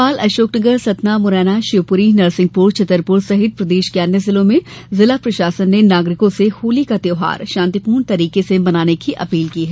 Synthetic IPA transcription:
aːlɐʃoːknəɡəɾsɐt̪namʊɾɛːnaʃɪʋpʊɾinɐɾsɪ̃ŋɡ̚puɾt͡ʃɐt̪ːəɾpʊɾsɐɦɪt̪̚pɾɐd̪eːʃkeanːəzɪlõmẽ | zɪlapɾɐʃaːsənːenaːɡɾɪkõsehoːlikat̪jeːɦa̰ːɾʃãːnt̪ipuːɾnt̪ɐɾiːkesebɐnaːnekiʔɐpiːlkiːɦɛ

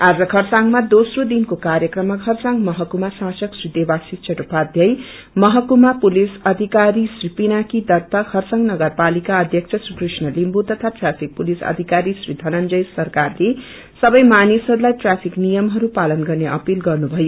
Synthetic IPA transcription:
ad͡zʌkʰʌrsaŋmad̪osrod̪inkokaɾjʌkrʌmːakʰʌrsaŋmʌɦʌkumasasʌksrid̪ebasik̚t͡ʃʰʌʈupad̪ʱjʌj | mʌɦʌkumapulisʌd̪ʱikaɾisripinakid̪ʌrt̪ʌkʰʌrsʌŋnʌɡʌrpalikaʌd̪ʱjʌkt͡sʰʌsrikrisnʌlimbut̪ʌt̪ʰaʈrapʰik̚pulisʌ̰d̪ʱikaɾisrid̪ʱʌnʌnd͡zʌjsʌrkarle | sʌbʌjmanisɦʌɾulajʈrapʰiknijʌmɦʌɾupalʌnɡʌrneʔʌpilɡʌrnubʱʌjo

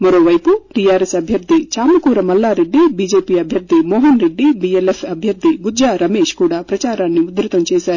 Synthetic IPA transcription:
mɐɾo̞ːʋɐjpuʈijaːɾesɐbʱjɐɾd̪ʱit͡ʃaːmɐkuːɾɐmɐlːaːɾe̞ɖːibiːd͡ʒeːpiːɐbʱjɐɾd̪ʱimɔːɦɐnɾe̞ɖːibielefɐbʱjɐɾd̪ʱibud͡ʒaːɾɐmeːʃkuːɽaːpɾɐt͡ʃaːɾaːnːiud̪ɾit̪ɐmt͡ʃɛːʃaːɾu

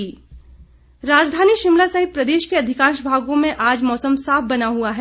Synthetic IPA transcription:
ɾaːd͡ʒd̪ʱaːniʃɪmlasɐɦɪt̪̚pɾɐd̪eːʃkeɐd̪ʱɪkaːʃbʱaːɡõmẽʔaːd͡ʒmɔːsəmsaːfʰbɐnaɦuaɦɛː

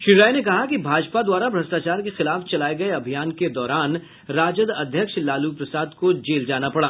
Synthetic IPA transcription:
ʃɪɾaːjnekɐɦakibʱaːd͡ʒpad̪waːɾabɾɐsʈaːt͡ʃaːɾkexɪlaːft͡ʃɐlaːeɡɐeɐbʱijaːnked̪ɔːɾaːn | ɾaːd͡ʒəd̪ɐd̪ʱjəkʃlaːlupɾɐsaːd̪kod͡ʒeːld͡ʒaːnapɐɽaː

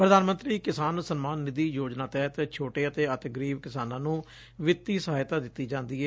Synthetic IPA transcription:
pɾəd̪aːnmə̃nt̪ɾiːkɪsaːnsənmaːnːɪd̪iːjoːd͡ʒnaːt̪ɛːt̪t͡ʃʰoːʈeːət̪eːət̪ɡəɾiːbkɪsaːnãːnũː | ʋɪt̪ːiːsəɦaːjt̪aːd̪ɪt̪ːiːd͡ʒãːnd̪iːɦɛː

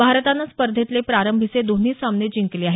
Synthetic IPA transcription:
bʱaɾt̪anːaspəɾd̪ʱet̪lepɾaɾəmbʱit͡sed̪on̤iːsamned͡ʑiŋkleaɦe

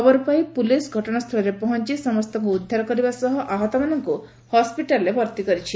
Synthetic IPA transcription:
ɔbɔɾupajpulisɡʱɔʈɔɽ̃ast̪ʰɔlɔɾepɔɦɔnt͡ʃisɔmɔst̪ʰɔŋkuːd̪ʱːaɾɔkɔɾibasɔɦɔʔaɦɔt̪ɔmanɔŋku | hɔspiʈalɔɾebʱɔɾt̪ikɔɾit͡ʃʰi

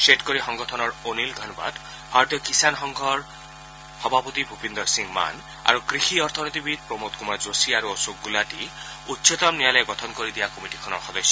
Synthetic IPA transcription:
ʃeʈkɔɾixɔŋɡɔtʰɔnɔɾonilɡʱɔnba̰d̪ | haɾd̪ɔkisanɦɔŋɡʱɔɾ | hɔbʱapɔt̪ibʱupind̪ɔɾsiŋma̰n | a̰ɾukɾixiɔɾt̪ʰɔnit̪ibid̪̚pɾomot̪̚kumad͡ʒosiaɾuɔsok̚ɡulaʈi | ut̪ːset̪ɔmnialɔeɡɔt̪ʰɔnkɔɾid̪ijakɔmiʈikʰɔnɔɾxɔd̪ɔsːɔ

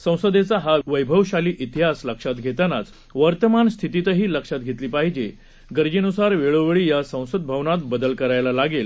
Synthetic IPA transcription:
sə̃w̃səd̪et͡saɦaʋəjbʱəʋɕaliːʔit̪iɦasləkʂat̪̚ɡʱet̪anat͡s | ʋəɾt̪əmanst̪ʰit̪it̪əɦiːləkʂat̪̚ɡʱet̪liːpaɦid͡ʑe | ɡəɾd͡ʑinusaɾʋeɭoʋeɭiːjasə̃w̃səd̪̚bʱəʋnat̪̚bəd̪əlkəɾajlalaɡel

